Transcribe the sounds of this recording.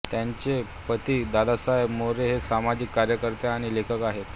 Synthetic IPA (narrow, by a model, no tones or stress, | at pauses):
t̪jaɲt͡ɕe | pət̪iːd̪ad̪asaɦebmoɾeɦesamad͡ʑikkːaɾjəkəɾt̪eaːɽ̃ilekʰəkaɦet̪